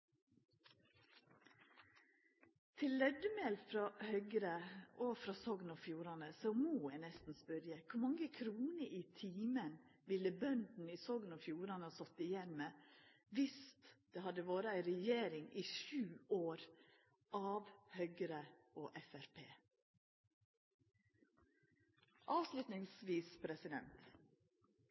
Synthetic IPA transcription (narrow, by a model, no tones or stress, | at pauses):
t̪ʰɪlːɛd̪əmɛːlfɾɑːhœʏɡɾəofɾɑsɔɡnɔfjuːɾɑnəsomuːɛːnɛst̪n̩spœɾjəkʰʊɾmɑŋːəkʰɾuːnəʔiːt̪ʰiːmənʋɪlːəbœnd̪n̩iːsɔɡnɔfjuːɾɑnəɑsɔt̪ːɪjɛnmə | ʋɪst̪d̪̥eːhɑd̪əʋoːɾəæɪɾɛjeːɾɪŋiːʃʉːoːɾ | ʔɑːʋhœɡəɾəoːʔɛfæɾpʰeː | ʔɑːʋslʉt̪nɪŋsʋiːspʰɾɛsɪd̪ɛ̰nt̪